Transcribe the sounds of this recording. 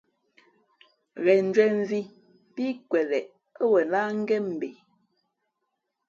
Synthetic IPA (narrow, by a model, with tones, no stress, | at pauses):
ɣɛ˨n̩˨d͡ʒwɛ˨ɱ˦vi˦ | pi˦kwɛ˨lɛ˨ʔ | ə˦wɛ˨laː˦ŋ̩˦ɡɛ˦m̩˨be˨